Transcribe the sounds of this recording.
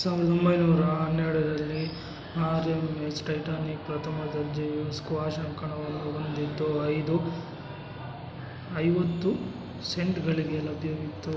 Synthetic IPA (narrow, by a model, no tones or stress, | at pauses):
saːʋiɾd̪ombɐjnuːɾɐɦɐnːeɭɐɾɐlːi | aːɾemesʈɐjʈaːnik̚pɾɐt̪ʰɐmɐd̪ɐɾd͡ʒiɐskuʋaːʃɐŋkɐɳɐond̪it̪ːuɐjd̪u | ɐjʋɐt̪ːu | se̞ɳʈɡɐɭiɡelɐbʱjɐɡit̪ːu